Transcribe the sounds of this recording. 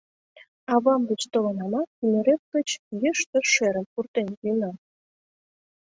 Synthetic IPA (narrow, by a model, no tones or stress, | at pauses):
ɑβɑmɡə̆t͡ɕt̪olɤ̆nɑmɑynʲĕɾep̚kə̆t͡ɕjəʃt̪ə̆ʃeɾə̆mpurt̪enkinɑ